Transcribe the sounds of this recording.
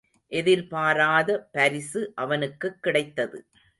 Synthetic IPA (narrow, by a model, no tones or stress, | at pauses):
ʔɛðɪɾpaːɾaːðɐpɐɾɪsɯʔɐʋɐnɯkːɯkːɪɽɐɪt̪ːɐðɯ̰